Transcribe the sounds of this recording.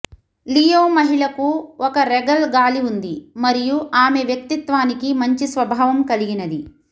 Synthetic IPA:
lijoːmɐɦiɭɐkuɔkɐɾɛɡɐlɡaːliund̪imɐɾijuʔaːmeʋjɐk̚t̪it̪ʋaːnikimɐɲt͡ʃisʋɐbʱaːʋɐmkɐliɡinɐd̪i

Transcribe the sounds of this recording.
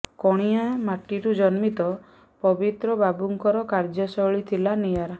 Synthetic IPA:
kɔɽ̃ijamaʈiʈud͡ʒɔnmit̪ɔ | pɔbit̪ɾɔbabuŋkɔɾɔkaɾd͡ʒɔsɔɭit̪ʰilanijaɾa

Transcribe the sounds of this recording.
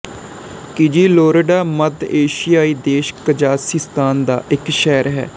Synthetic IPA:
kɪd͡ʒiːloːɾəɖaːməd̪eːʃijaːiːd̪eːʃkəd͡ʒaːsiːst̪ʰaːnd̪a̰ːʔɪkʃɛːɾɦɛ̰ː

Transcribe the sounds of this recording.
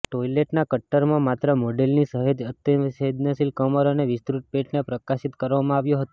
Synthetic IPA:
ʈoileʈnakəʈːəɾmãmat̪ɾəmoɖelnisəɦəd̪ət̪ːjəsed̪nəsilkəməɾoneʋɪst̪ɾuʈ̚peʈnepɾəkaʃit̪kəɾʋamãaʋjõɦət̪õ

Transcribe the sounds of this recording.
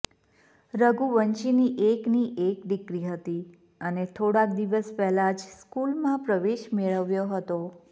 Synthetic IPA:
ɾəɡuʋəɲt͡ʃiniʔekniʔekɖikɾiɦət̪i | ənet̪ʰoɽãk̚d̪iʋəspɛɦlad͡ʒskulmãpɾəʋeʃmeɭəʋjoɦət̪o

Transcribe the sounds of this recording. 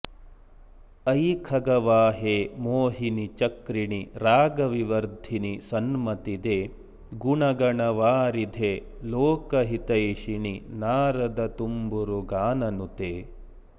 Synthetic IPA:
ɐjkʰɐɡɐʋaːɦeːmoːɦinit͡ʃɐkɾiɳiɾaːɡɐʋiʋɐɾd̪ʱinisɐnmɐt̪id̪e | ɡuɳɐɡɐɳɐʋaːɾid̪ʱe | loːkɐɦit̪ɐjʃiɳinaːɾɐd̪ɐt̪umbuɾuɡaːnɐnut̪eː

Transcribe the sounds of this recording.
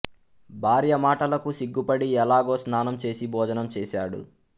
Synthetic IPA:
bʱaːɾjɐmaːʈɐlɐkusiɡːupɐɽiɛlaːɡoːsnaːnɐmt͡ʃe̞ːsibʱɔːd͡ʒɐnɐmt͡ʃeːʃaːɽṵ

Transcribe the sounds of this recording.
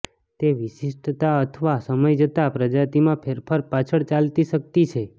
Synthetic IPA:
t̪eʋiʃiʃʈt̪aət̪ʰəʋasəməjd͡ʒət̪apɾəd͡ʒat̪imãpʰeɾpʰəɾpat͡ʃʰəɭt͡ʃalt̪iʃək̚t̪it͡ʃʰe

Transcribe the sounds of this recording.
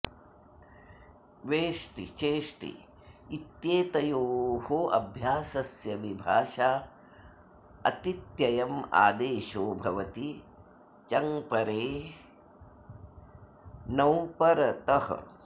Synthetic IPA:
ʋeːʂʈḭt͡ʃeːʂʈḭ | it̪jeːt̪ɐjoːɦoɐ̰bʱjaːsɐsjɐʋibʱaːʃaː | ɐ̰t̪it̪jɐjɐma̰ːd̪eːʃoːbʱɐʋɐt̪i | t͡ʃɐŋpɐɾeː | nɐwpɐɾɐt̪ɐhɐ̰

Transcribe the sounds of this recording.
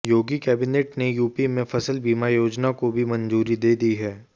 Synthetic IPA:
joːɡikɛːbɪneːʈnejuːpimẽfʰɐsəlbiːmajoːd͡ʒnakobʱimɐ̃nzuːɾid̪eːd̪iɦɛː

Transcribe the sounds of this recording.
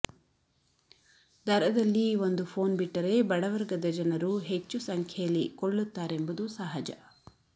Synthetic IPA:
d̪ʱɐɾɐd̪ɐlːio̞nd̪upʰo̞ːnbiʈːɐɾe̞bɐɽɐʋɐɾɡɐd̪ɐd͡ʒɐnɐɾuɦe̞t͡ʃːusɐŋkʰjɐjɐlːikoɭːut̪ːaːɾe̞mbud̪usɐɦɐd͡ʒɐ̰

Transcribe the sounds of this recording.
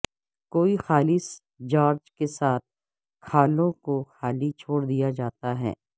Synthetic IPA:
koːixaːlɪs | d͡ʒaːɾd͡ʒkesaːt̪̚ʰ | kʰaːlõkoxaːlit͡ʃʰoːɽd̪ijad͡ʒaːt̪aɦɛ̰ː

